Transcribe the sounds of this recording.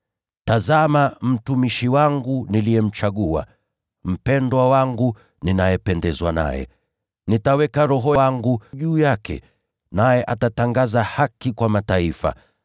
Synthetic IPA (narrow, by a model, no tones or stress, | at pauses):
tazamam̩tumiʃiwaŋɡuniliɛm̩t͡ʃaɠua̰ | m̩pɛndwawaŋɡu | ninajɛpɛndɛzwana̰jɛ̰ | nitawɛkaɾɔɦɔaŋɡuʄuːjakʰɛ̰ | najɛʔatataŋɡazahakikwamataifa̰